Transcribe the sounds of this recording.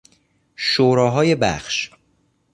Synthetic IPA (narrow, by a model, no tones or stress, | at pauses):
ʃoːɾɒːɦɒːjebæ̰xʃ